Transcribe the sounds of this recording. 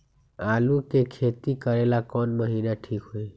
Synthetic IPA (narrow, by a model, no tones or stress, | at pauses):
aːlukekʰet̪ikəɾelakɔːnməɦiːnaʈʰiːkɦoːi